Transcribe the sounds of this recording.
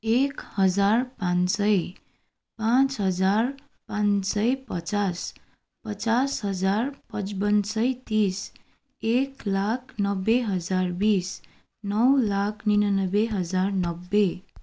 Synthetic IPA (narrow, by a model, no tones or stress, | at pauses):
ekhʌd͡zarpãnsʌj | pãt͡sɦʌd͡zar | pãnsʌjpʌt͡sas | pʌt͡sasɦʌd͡zarpʌt͡spʌnsʌjt̪is | eklakʰnʌbːeɦʌd͡zarbis | nʌwlakʰninʌnʌbeɦʌd͡zarnʌbːe